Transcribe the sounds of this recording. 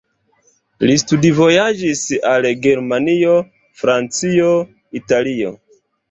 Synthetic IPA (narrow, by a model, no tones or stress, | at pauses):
listudivo̞jad͡ʒisalɡe̞ɾmanio̞ | fɾant͡sio̞ | italio̰